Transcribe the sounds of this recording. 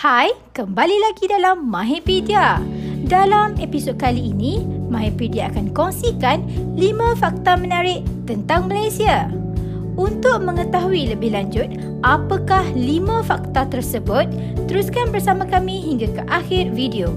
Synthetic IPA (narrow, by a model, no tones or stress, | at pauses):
hajkəmbalilaɡidalamːãɦepidiadalamepisɔd̚kaliːnĩmãɦepidiaːkankɔŋsikanlimãfak̚t̪amə̃naɾɪʔt̪ənt̪aŋmãlajsia | unt̪ʊk̚mə̃ŋə̃t̪aɦuiləbɪhlaɲd͡ʒʊt̪̚ | ʔapakahlimãfak̚t̪at̪ərsəbʊt̪̚ː | əɾuskanbərsamãkamĩɦiŋɡakəʔaxɪrvidio